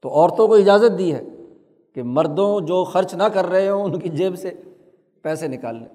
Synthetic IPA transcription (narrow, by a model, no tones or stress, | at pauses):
t̪oʔɔːɾt̪õkoɪd͡ʒaːzət̪̚d̪iɦɛ̰ː | kemɐɾd̪õd͡ʒoːxɐɾt͡ʃnɐkɐɾːɐɦeɛ̃ʊnkid͡ʒeːbse | pɛːsenɪka̰ːlːḛ̃ː